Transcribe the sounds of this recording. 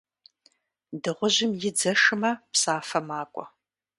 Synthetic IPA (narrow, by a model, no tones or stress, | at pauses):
dɨʁʷʊʑɪmjɪd͡zɐʂɨmɐpsaːfɐmaːkʷʼɔ